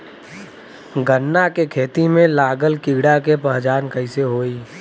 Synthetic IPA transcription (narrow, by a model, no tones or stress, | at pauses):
ɡənːakekʰeːt̪imẽlaːɡəlkiɡɽakepəɦd͡ʒaːnkəɪseɦoːiː